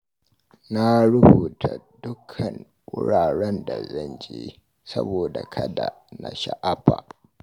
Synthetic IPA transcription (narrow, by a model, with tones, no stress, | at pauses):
na˦ɾʊ˦buː˨tʰa˨dʊ˦kʰɐ˨ŋ | ʔʊ˦ɽaː˨ɽɛ˦nda˨zɐ˦nd͡ʒeː˦ | sɐ˦boː˨da˨kʰɐ˦da˨ | na˨ʃa˦ʔa˦ɸa˨